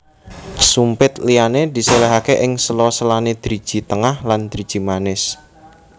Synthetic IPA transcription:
sumpɪt̪lianed̪̥i̤selɛɦakeʔɪŋsəlɔsəlaned̪̥ɾid̥ʒ̥i̤t̪əŋahland̪̥ɾid̥ʒ̥i̤manɪs

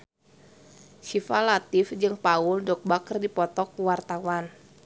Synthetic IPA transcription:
sifalat̪ɪfd͡ʒɨŋpauldɔk̚bakərdipɔt̪ɔkuwart̪awan

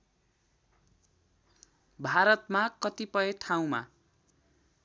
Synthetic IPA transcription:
bʱaɾʌt̪makʌt̪ipʌeʈʰaw̃ma̰

